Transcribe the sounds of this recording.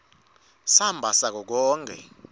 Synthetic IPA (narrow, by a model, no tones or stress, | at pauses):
sambʱasak̬ɔk̬ɔːŋkʰɛ̰